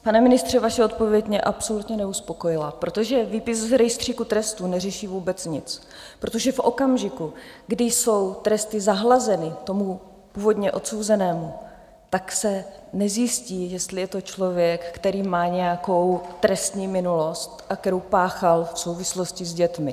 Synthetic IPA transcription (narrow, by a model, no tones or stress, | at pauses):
panɛmɪnɪst̪r̝̥ɛvaʃɛo̞t̪̚po̞vjɛɟɲɛʔapso̞lut̪ɲɛnɛuspo̞ko̞jɪlapɾo̞t̪o̞ʒɛviːpɪszɾɛjst̪r̝̥iːkut̪ɾɛst̪uːnɛrɛʃiːvuːbɛt͡sɲɪt͡s | pɾo̞t̪o̞ʒɛfʔo̞kamʒɪkuɡdɪjso̞wt̪ɾɛst̪ɪzaɦlazɛnɪt̪o̞mu | puːvo̞d̪ɲɛʔo̞t̪sowzɛnɛːmu | t̪aksɛnɛzjɪsciːjɛst̪lɪjɛt̪o̞t͡ʃlo̞vjɛkːt̪ɛɾiːmaːɲɛjako̞wt̪ɾɛst̪ɲiːmɪnulo̞st̪ʔakt̪ɛɾowpaːxalfso̞wvɪslo̞scɪzɟɛt̪mɪ